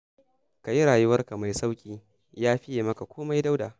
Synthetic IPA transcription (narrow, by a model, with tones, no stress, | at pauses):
ka˨ji˦ɾaː˨jʊ˦wɐ˦rka˨ma˨jsa˦wkʲʼiː˦ | jaː˦ɸɪ˦jeː˨mɐ˦ka˨kʷoː˦ma˦jda˦wdaː˨